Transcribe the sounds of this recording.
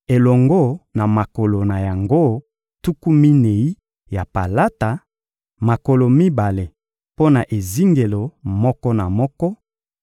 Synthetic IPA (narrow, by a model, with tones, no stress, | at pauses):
e˨lɔ˨ŋɡo˦na˨ma˨ko˨lo˨na˨ja˨ŋɡo˦ | tu˦ku˦mi˦ne˨i˦ | ja˨pa̰˨la˦ta˨ | ma˨ko˨lo˨mi˦ba˨le˨ | po˦na˨ʔe˨zi˦ŋɡe˨lo˨mɔ˦kɔ˦na˨mɔ˦kɔ˦